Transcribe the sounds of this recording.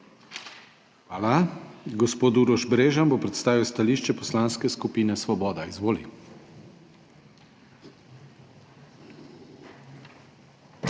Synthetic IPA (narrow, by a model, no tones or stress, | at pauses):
xʋaːlaɡɔspoːt̪uɾɔʒbɾeːʒambopɾɛt̪st̪aːʋiwst̪aliːʃt͡ʃɛpɔslanskɛskupiːnɛsʋɔbɔːd̪aizʋoːlḭ